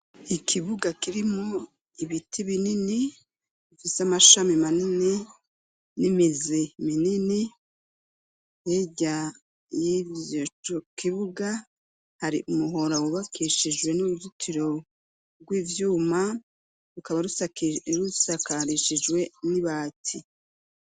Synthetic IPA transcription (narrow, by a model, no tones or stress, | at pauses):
ikʰiβuɡakiɾimo | iβitʰiβinini | ufiseamaʃamimanini | nimiziminini | jeɟa | jivjot͡ʃokiβuɡa | haɾḭʔumuɦo̞ɾawuβakʰiʃid͡ʒwe̞nuɾuzutʰiɾo̞ | bɡwiːvjuːma | ɾukaβaɾuɾusakaɾiʃid͡ʒwe̞niβaːtʰi